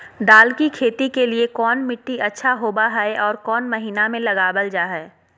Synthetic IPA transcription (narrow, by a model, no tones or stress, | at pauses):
ɖ̪aːlkikʰeːt̪ikeliekɔːnmɪʈːiɐtːʃʰaɦoːbaɦɛeʔɔːɾkɔːnmɐɦiːnamẽlɐɡaːbəld͡ʒaːɦɛː